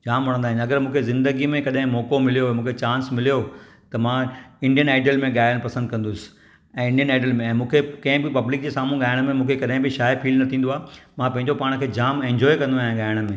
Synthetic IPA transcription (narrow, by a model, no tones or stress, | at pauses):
d͡ʑaːmʋɐɽ̃ə̃nd̪aːɦɪ̃nɐɡəɾmũːkʰezɪ̃nd̪əɡimẽkɐɗɦɪ̃mɔːkomɪlijomũːkʰet͡ɕãːnsmɪlijo | t̪ɐmãɪ̃ɳɖijənaːɪɖəlmẽɠaːɪəɽ̃pɐsə̃nd̪̚kɐ̃n̆d̪ʊsɪ̥ | ɛ̃ːɪ̃ɳɖijənaːɪɖəlmẽɛ̃ːmũːkʰekɐ̃ɦɪ̃bɪpɐblɪk̚d͡ʑeːsaːmũɡaːɪəɽ̃mẽmũːkʰekɐɗɦɪ̃bɪʃaːəpʰiːlnɐt̪ʰĩːn̆d̪oaːmãpɐ̃ɦɪ̃ɲd͡ʑopaːɽ̃kʰeːd͡ʑaːmẽːɲd͡ʑɔːekɐ̃nd̪oaːɦjẽɠaːɪəɽ̃̆mẽː